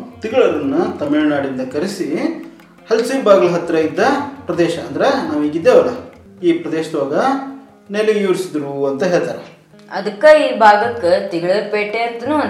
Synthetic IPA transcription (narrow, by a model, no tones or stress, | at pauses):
t̪iɡɐɭɐɾɐnːut̪ɐmiɭnaːɽind̪ɐkɐɾisi | hɐlsibaːɡɐlɐɦɐt̪ːɾɐjid̪ːɐpɾɐd̪ɛːʃɐːnd̪ɐɾenaːʋiːɡid̪ːeːʋɐɾe | iːpɾɐd̪eːʃɐd̪ʋaːɡɐ | nelijuːɾisid̪ɾuɐnt̪ɐɦeːɭt̪aːɾe | ɐd̪ɐkːɐiːbʱaːɡɐkːet̪iɡɐɭɐɾpeːʈeːt̪nu